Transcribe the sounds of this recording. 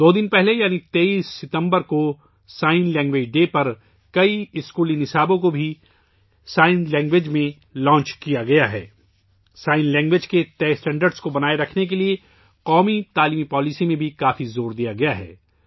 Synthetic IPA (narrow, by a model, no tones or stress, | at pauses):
d̪oːd̪ɪnpɛɦlejaːnit̪eːiːsːɪt̪ə̃mbəɾko | saːɪnlɛ̃ːŋɡʋeːd͡ʒɖeːpɐɾ | kɐiɪskuːlĩŋɪsaːbõkobʱi | saːɪnlɛ̃ːŋɡʋed͡ʒmẽ | lɔ̃ːɲt͡ʃkijaɡɐjaɦɛ̰ː | saːɪnlɛ̃ːŋɡʋed͡ʒket̪ɛːsʈɛ̃ːɳɖəɾɖskobɐnaːeɾɐkʰnek̬elie | qɔːmit̪aːliːmipɔːlisimẽbʱikaːfizoːɾd̪ijaɡɐjaɦɛ̰ː